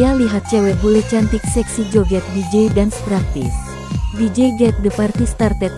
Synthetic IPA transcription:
aliɦat̪̚t͡ʃɛwɛbulet͡ʃant̪iksɛksid͡ʒoɡɛt̪̚bid͡ʒejdanst̪ɾapḭs | bid͡ʒejɡɛt̪̚dəpart̪ist̪art̪ɛt̪̚

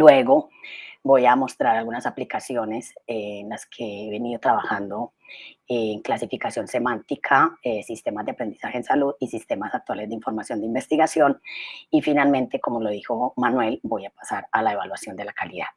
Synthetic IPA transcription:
lwe̞ɣo̞bo̞jamo̞st̪ɾaɾalɣunasaplikasjo̞ne̞senlaskʰe̞eβe̞niðo̞t̪ɾaβaxand̪o̞ | eŋklasifikasjo̞nse̞mãnt̪ikʰaesist̪e̞mazd̪eapɾe̞nd̪i̥saheːnsaluðisist̪e̞masak̚t̪wale̞zd̪eiɱfo̞ɾmasjo̞nd̪eimbe̞st̪iɣasjo̞nifinalmẽ̞nt̪e̞ko̞mo̞lo̞ðixo̞manwe̞lbo̞japḁsaɾalae̞βalwasjo̞nd̪e̞lakaliðað

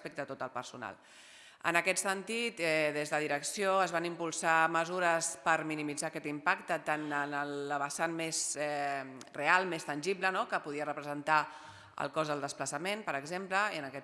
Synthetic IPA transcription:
spek̚t̪ət̪ot̪əlˠpəɾsuna̰lˠ | ə̰nəkɛt̪sənt̪it̪ɛðezðəðiɾəksioəzβanimpulˠsaməzuɾəspəɾminimid͡zaəkɛt̪impakt̪ət̪anənələβəsanmezɛrealˠmest̪ənʲʒiblənokəpuð̞iərəpɾəzənt̪a | ə̰lˠkɔzðəlˠd̪əspləsəmenpəɾəɡzempləiənəkɛ

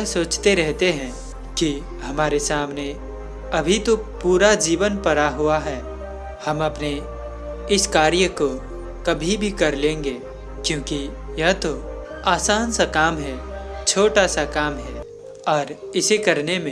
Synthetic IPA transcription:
soːt͡ʃt̪eɾɛɦt̪eɦɛ̃ | ki | ɦɐmaːɾesaːmne | ɐbʱit̪opuːɾad͡ʒiːʋənpɐɾaɦuaɦɛː | hɐmɐpne | ɪskaːɾjəko | kɐbʱibʱikɐɾlẽːŋɡeː | kjõːki | jɐɦt̪o | aːsaːnsakaːmɦɛt͡ʃʰoːʈasakaːmɦɛː | ɔːɾɪsekɐɾnemẽ

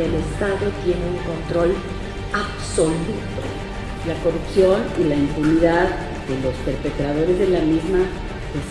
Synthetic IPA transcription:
ele̞st̪aðo̞t̪je̞neulko̞nt̪ɾo̞l | aβso̞lut̪o̞̰ | lako̞rupsjo̞nilaimpuniðað | d̪elo̞spe̞ɾpe̞t̪ɾaðo̞ɾe̞zðe̞lamizma | kes

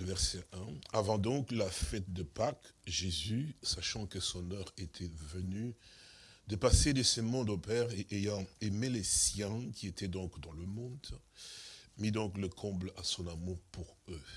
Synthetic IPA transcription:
ləvɛʁsɛɛ̃avɑ̃d̪ɔ̃klafɛt̪̚d̪əpakʒezysaʃɑ̃kəsɔ̃nœʁet̪ʰɛvəny | d̪əpased̪əsəmɔ̃d̪opɛʁeʔejɑ̃emelesjɛ̃kʰʲiet̪ɛd̪ɔ̃kd̪ɑ̃ləmɔ̃d̪ | mid̪ɔ̃kləkʰɔ̃blasɔ̃namuʁpuʁø

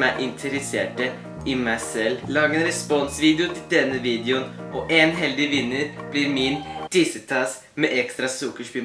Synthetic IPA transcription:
æɪʔɪnt̪ʰəɾɛsḛːʈə | ʔɪmæɪsɛlːlɑːɡəɛnɾɛspɔnsʋiːd̪ɪʊt̪ʰɪld̪ɛnːəʋiːd̪ɛʊnɔʔenɦɛld̪ɪʋɪnːəɾb̥liɾmɪnd̪̥ɪsət̪ʰɑs | mɛʔɛkst̪ɾɑsʊkːəʂpiː

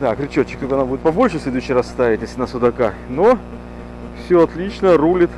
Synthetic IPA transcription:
d̪akɾʲɪt͡ɕot͡ɕːɪkt̪obɐnabudʲɪt̪̚pɐbo̞lʲʂɨsʲlʲed̪ʊɕːɪjrassːt̪avʲɪtʲjesʲlʲɪnəsʊd̪ɐka | no | fsʲoɐt̪lʲit͡ɕnərulʲɪt̪

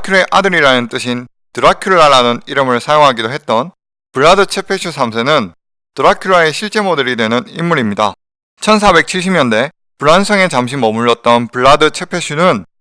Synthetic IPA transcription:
kʰuɾe̞ʔadɯɾiɾanɯnt͈ɯɕʰin | tɯɾakʰjuɭːaɾanɯniɾɯmɯɭsʰajoŋɦaɡidoɦe̞t̚t͈ʌn | pɯɭːadɯt͡ɕʰe̞pʰe̞ɕʰusʰamsʰenɯn | tɯɾakʰjuɭːae̞ɕʰiɭt͡ɕ͈e̞modeɾidwe̞nɯnimːuɾimɲida̰ | t͡ɕʰʌnsʰabe̞k̚t͡ɕʰiɭɕ̬ʰimɲʌnde̞ | puɾansʰʌŋe̞t͡ɕamɕ̬ʰimʌmuɭːʌt̚t͈ʌnpuɭːadɯt͡ɕʰe̞pʰe̞ɕʰunɯn

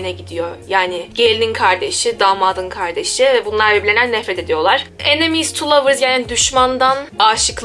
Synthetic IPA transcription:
nɛɟid̪ijo̞jaːnɪɟelʲninkʰaɾd̪e̞ʃid̪aːmad̪ɯnkʰaɾd̪e̞ʃivɛbunlˠaɾvɛbilʲenænːɛfɾɛt̪ʰe̞d̪ijo̞lˠaɾ̥enemijzt̪ʰulˠavɯɾzjanind̪yʃmand̪anaːʃɯk

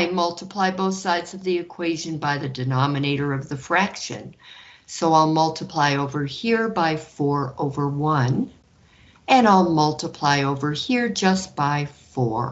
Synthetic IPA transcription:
aɪmʌlˠtʰəpʰl̥aɪboʊθsaɪdz̥ʌvðiɨkʰw̥eɪʒɨ̃nbaɪðɨdɨnɑmɨneɪɾə˞ʌvðɨfɹækʃɨ̰̃nsoʊaɪlˠmʌlˠtʰəpʰl̥aɪoʊvə˞hiɹbaɪfɔɹoʊvə˞wʌ̃n | ɨ̃naɪlˠmʌlˠtʰəpʰl̥aɪoʊvə˞hiɹd͡ʒʌst̚b̥aɪfɔɹ

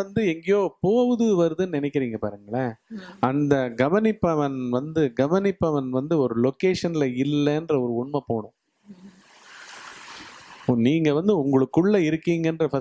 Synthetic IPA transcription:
ɐnd̪ɯɛŋɡɐjoːpoːɣɯðɯʋɐɾɯðɯnnɪnɛɪkːɪɾiːŋɡɐpaːɾɯŋɡɐɭɐɐnd̪ɐɡɐʋɐnɪpːɐʋɐnʋɐnd̪ɯɡɐʋɐnɪpːɐʋɐnʋɐnd̪ɯɔɾɯlɔkeːʂɐnɪlɐɪlːɛːndrɐɔɾɯʊɳmɐpoːɳʊ̃ | niːŋɡɐʋɐnd̪ɯʊŋɡɐɭɯkːɯɭːɐɪɾɯkːiːŋɡɐndrɐfɐ

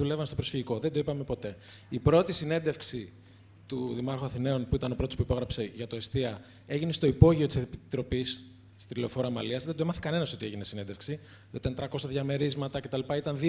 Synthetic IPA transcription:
ulevɐmest̪o̞bɾofiʝiko̞ðed̪oipɐmepo̞t̪e̞ipɾo̞t̪isine̞nd̪e̞fksi | t̪uðimɐɾxoɐθine̞o̞npuit̪ɐno̞pɾot̪o̞spuipo̞ɣɾɐpse̞ʝɐt̪o̞est̪iɐ | e̞ʝine̞st̪o̞ipo̞ʝiot̪isepit̪ɾo̞pisː | t̪ileofo̞ɾoɐmɐ̰liɐzðed̪oemɐθe̥kɐne̞nɐsot̪ieʝinesine̞nd̪e̞fksi | it̪ɐnt̪ɾɐko̞sɐðʝɐme̞ɾizmɐt̪ɐce̞t̪ɐlipɐit̪ɐnði

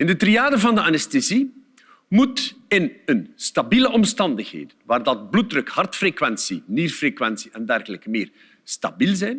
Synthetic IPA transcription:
ɪndətriaːdəvɑndəanɛstezi | mutɪnənstabiləʔɔmstɑndəxɦḛːdənʋaːrdɑt̚blut̚drɵkhɑrtfrekwɛnsinirfrekʋɛnsiʔɛndɛrɣələkəmɪːr | sta̰bilˠzɛjn

